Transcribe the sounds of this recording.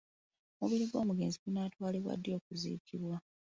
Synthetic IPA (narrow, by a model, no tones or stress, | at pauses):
muβiɾiɡwo̞ːmuɡeːnziɡunaːtwaːliβwa̰dːjo̞ːkuzḭːkʰiβwa